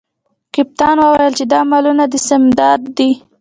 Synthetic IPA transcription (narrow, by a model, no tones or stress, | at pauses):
kɪp̚t̪ɑnwəwajəlt͡ʃed̪ɑmɑlunad̪əsɪmd̪ɑd̪ːi